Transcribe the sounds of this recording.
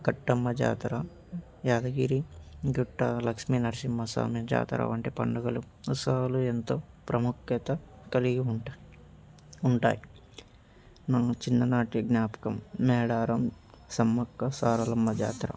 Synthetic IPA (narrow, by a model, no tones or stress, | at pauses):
ɡɐʈːɐmːɐd͡ʒa̰ːt̪ɐɾa | jaːd̪ɐɡiːɾiɡuʈːɐlɐkʂminɐɾsimːɐsa̰ːmjɐd͡ʒa̰ːt̪ɐɾɐ̰ʋɐɳʈeːpɐ̰ɳɖɐɡɐlu | usɐɐluent̪oː | pɾɐmukjɐt̪ɐ | kɐliɡiuɳʈa | uɳʈa̰ːji | nat͡ʃinːɐnaːʈiɡnaːpɐ̥kɐmːɛːɽaːɾɐmsɐmːɐkːɐsaːɾɐlɐmːɐd͡ʒa̰ːt̪ɾa̰